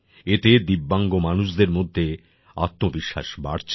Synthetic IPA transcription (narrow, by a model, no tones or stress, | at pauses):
et̪ed̪ibːaŋɡomanuʃd̪eɾmod̪ʱːe | a̰t̪mobiʃːa̰ʃba̰ɽt͡ɕʰ